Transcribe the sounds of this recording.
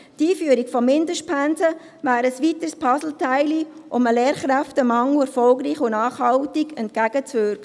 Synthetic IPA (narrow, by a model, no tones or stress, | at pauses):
tiːfyːəɾikfɔmɪndəʃt̚pʰænsə | vaːɾəsʋitəspʰɑsl̩tʰaɪliʔʊməleːɾχɾæftəmɑŋuɛɾfɔlɡɾiːχʊnɑːχhɑʊtiɡɛnt̚kæɡ̥ət͡sʋʏɾkə